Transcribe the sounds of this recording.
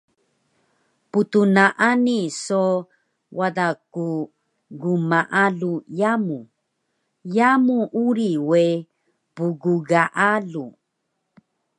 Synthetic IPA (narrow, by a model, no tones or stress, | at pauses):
put̪unaʔaniso | wadaku | ɡumaʔalujamu | jamuʔuɾiwe | puɡuɡaʔalu